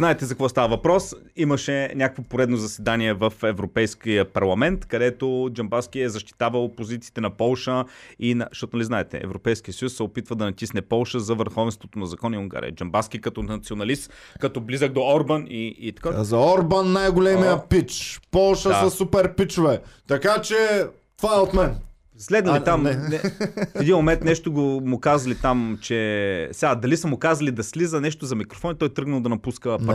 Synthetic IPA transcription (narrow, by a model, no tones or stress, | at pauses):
znaɛt̪ɛzɐkvɔst̪avɐvɐpɾɔs | iməʃɛnʲakəkvopoɾɛd̪nozɐsɛd̪aniɛvəfɛvɾopɛjskijəpɐɾlˠɐmɛnt̪kɐd̪ɛt̪od͡ʒɐmbask̟iɛzɐʃt̪i̥t̪avəlˠpozit̪siːt̪ɛnɐpɔlˠʃəinɐʃt̪ɔt̪onɐliznaɛt̪ɛ̰ɛ̰vɾopɛjsk̟iət̪sɐjusːɛopit̪vəd̪ɐnɐt̪ʲisnɛpɔlˠʃəzɐvəɾxɔvɛnst̪vot̪onɐzɐkɔniuŋɡa̰ɾʲḭə̰d͡ʒɐmbaskʲikɐt̪ɔnɐt̪sionɐlist̪ | kɐt̪ɔblizəɡd̪oɔɾbɐniːt̪ɐ̥kazɐɔɾbɐnːajɡolɛmmijəpit͡ʃpɔlˠʃəsɐsupɛɾpit͡ʃʊvɛt̪ɐkat͡ʃɛ | t̪ovaɛot̪mɛn | slɛd̪nilit̪amnɛfɛd̪inmomɛnt̪nɛʃt̪oɡomʊkazɐlit̪amt͡ʃɛsɛad̪ɐlisɐmʊkazɐlid̪ɐslizənɛʃt̪ozɐmikɾofɔnit̪ɔjt̪ɾɤɡnɐlˠd̪ɐnɐpuskəp